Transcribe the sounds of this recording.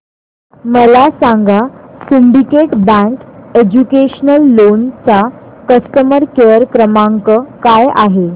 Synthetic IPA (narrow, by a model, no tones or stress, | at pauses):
məlasãŋɡasumɖikeʈbə̃ŋked͡ʑukeɕənəlːont͡sakəst̪əməɾkeəɾkɾəmaŋkəkaja̰ɦe